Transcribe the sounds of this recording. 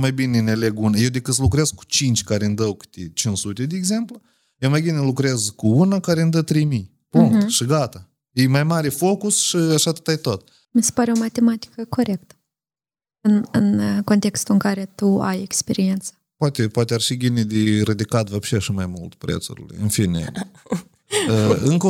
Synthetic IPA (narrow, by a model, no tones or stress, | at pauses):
majbineɨneleɡunajewd̪ekɨt̪slukɾeezku̥t͡ʃint͡ʃʲkaɾeɨnd̪əwkɨ̥t̪ʲet͡ʃinsut̪ʲed̪ʲeːɡze̞mplu | jemajbinelukɾezkuunakaɾeɨnd̪ət̪ɾejmij | puŋt̪ʃiɡat̪a | jejmajmaɾefo̞kusʃiaʃat̪ɨ̥t̪ajt̪ot̪̚ | misʲe̥paɾeomat̪e̞mat̪i̥kəko̞ɾe̞kt̪ə̥ | ɨnɨnko̞nt̪e̞kst̪uɨŋkaɾe̞t̪ua̰jekspe̞ɾient̪sə̥poat̪epwat̪ʲearʃibʲined̪eɾɨd̪ikat̪vapʃeʃimajmult̪pɾḛt̪sṵɾʲḭlḛɨ̰nfinʲḛ | əɨŋko